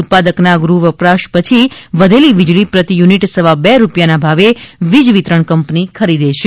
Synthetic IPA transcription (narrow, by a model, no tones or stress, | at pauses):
t̪̚pad̪əknaɡɾuʋəpɾaʃpət͡ʃʰiʋəd̪ʱeliʋid͡ʒɭipɾət̪ijuniʈsəʋabɛɾupjanabʱaʋeʋid͡ʒʋit̪ɾəɳkəmpnikʰəɾid̪eʃʰe